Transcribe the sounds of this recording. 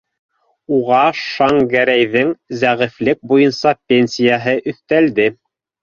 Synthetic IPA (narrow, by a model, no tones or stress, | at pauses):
uʁɑʃɑŋɡæɾæjðɘŋzæʁɘ̆flɘk̚bujɤnsɑpʲenʲsʲijaɦɤʔɵ̆θt̪æld̪ɘ